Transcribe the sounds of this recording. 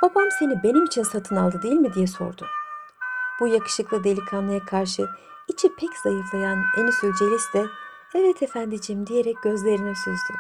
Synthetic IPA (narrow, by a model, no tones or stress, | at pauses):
b̥abamse̞nibe̞nimit͡ʃʰinsat̪ʰɯnalˠd̪ɯd̪ejilʲmid̪ijɛso̞̰ɾd̪ʊ | b̥ujakɯ̥ʃɯklˠɯd̪e̞lʲikʰanlˠajakʰaɾʃɯ | it͡ʃʰipʰɛcz̥ajɯflˠajanenysylʲd͡ʒe̞lʲisd̪ɛ | ɛvɛt̪ʰe̞fænd̪id͡ʒimd̪ije̞ɾɛc̚ɟ̥ø̞zlʲe̞ɾinɛsyzd̪y